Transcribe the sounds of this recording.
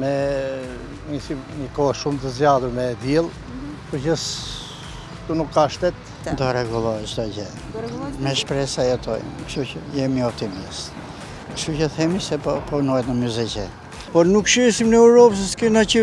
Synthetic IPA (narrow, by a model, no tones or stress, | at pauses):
mɛ | nisinikɔʃumt̪əzjaðuɾmɛd̪jilˠ | pəcəs | t̪unukːaʃt̪ɛt̪̚ | nd̪ɔɾɛɡulˠɔɛt͡ʃd̪ɔd͡ʑɛ | mɛʃpɾɛsajat̪ʰɔ̰j̰mkʃuəjɛmiɔp̚t̪imist̪ | kʃt̪ucəθɛmisɛpɔpɔnɔjɛt̪nəmuzɛcɛ | pɔɾnukʃɛsimnɛuɾɔps̬əskɛnacə